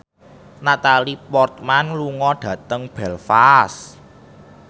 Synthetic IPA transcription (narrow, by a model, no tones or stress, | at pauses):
nat̪alipɔrt̪̚manluŋɔɖ̥ä̤t̪əŋb̥ɛlfas